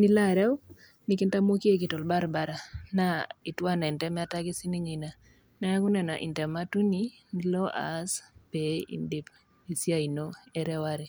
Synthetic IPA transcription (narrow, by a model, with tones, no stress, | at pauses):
ni˦la˦˨ɾɛ˦w | ni˨kɪ˦nta˦mwo˦ki˦e˦˨kɪ˨tɔ˨lba˦ɾba˨ɾa˨na˦ɪ˨twa˦nɛ˨ntɛ˦mɛ˦taɡɪ˦si˦ni˦ɲɪ˨na˨ | na˦a˦ku˦nɛ˨na̰˨ʔḭ˨ntɛ˨ma˦tu˦ni˦ | ni˦lo˦ʔa̰˦spe˨ḭ˨ndɪ˦p | i˨sja˦i˨no˦e˦ɾɛ˦waɾɛ˨